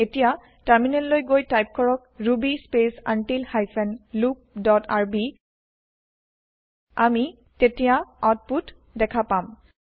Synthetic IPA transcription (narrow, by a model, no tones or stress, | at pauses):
etija | taɹminɛllojɡojtajp̚kɔɹɔkɹubispesa̰ntilhajfʰɛnlup̚dɔtʰaɹbi | ami | tetijaat̚put | dɛkʰapam